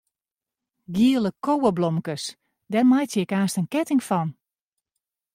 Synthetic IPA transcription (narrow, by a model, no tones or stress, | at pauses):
ɡiələkowəblɔmkəs | dɛrmajtjəɪkaːstənkɛtɪŋfɔn